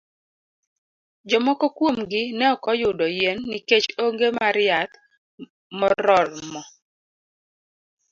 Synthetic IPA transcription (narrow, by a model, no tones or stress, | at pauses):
d͡ʒɔmɔkokwomɡɪnɛɔkɔjʊdɔjenːiket͡ʃoŋɡemaɾɪjat̪ | mɔɾɔlmɔ